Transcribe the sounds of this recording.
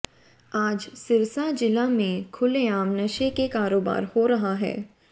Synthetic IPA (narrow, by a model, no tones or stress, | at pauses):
aːd͡ʒsɪɾsad͡ʒɪlamẽkʰʊleaːmnɐʃekekaːɾoːba̰ːɾhoɾɐɦaɦɛ̰ː